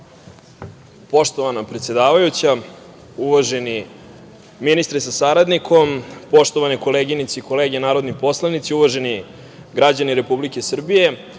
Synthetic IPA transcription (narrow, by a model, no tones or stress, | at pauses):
po̞ʂt̪o̞ʋanapɾet̪sje̞d̪aːʋajut͡ɕa | uʋaʒe̞ni | minist̪ɾisasaɾad̪nikʰo̞mpo̞ʂt̪o̞ʋaniko̞leɡinit̪siiko̞leːɡenaːɾo̞d̪nipo̞slˠanit̪siuʋaʒe̞ni | ɡɾad͡ʑaniɾe̞publike̞sr̩bije̞